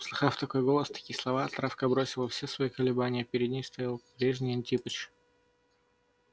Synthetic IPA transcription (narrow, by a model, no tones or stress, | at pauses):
slˠɨxaft̪ɐko̞jɡolˠəst̪ɐ̥kʲijəslˠɐvaɐt̪ɾafkəbɾo̞sʲɪlˠəfsʲesvɐikəlʲɪbanʲɪjəpʲɪɾʲɪd̪ʲnʲejst̪ɐjalˠpɾʲeʐnʲɪjɐnʲtʲipət͡ɕ